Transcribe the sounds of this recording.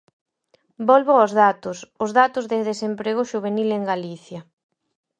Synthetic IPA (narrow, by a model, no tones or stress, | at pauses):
bɔlβʊozðat̪ʊsʊzðat̪ʊzðeðesempɾeɣ̞ʊʃuβ̞enileŋɡaliθjɐ